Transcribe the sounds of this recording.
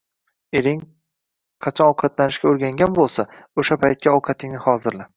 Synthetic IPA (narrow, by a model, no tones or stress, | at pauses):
eɾɪŋ | qʰɑt͡ʃʰɒnɒwqʰɑt̪lanɪʃkʲaoɾɡʲaŋɡʲanbolˠsaoʃapʰajt̪̚kʲʰaɒwqʰɑt̪ʰɪŋnɪhɒzɪɾlɪ